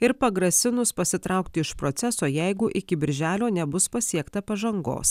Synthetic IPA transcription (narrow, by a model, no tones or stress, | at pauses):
ɪɾpɐɡɾɐsʲɪnʊspɐsʲɪt̪ɾɑˑʊk̚t̪ʲɪɪʃpɾɔt̪sʲɛsoːjɛɪɡʊʔɪkʲɪbʲɪɾʲʒʲæːlʲoːnʲɛbʊspɐsʲiɛkt̪ɐpɐʒɐŋɡo̰ːs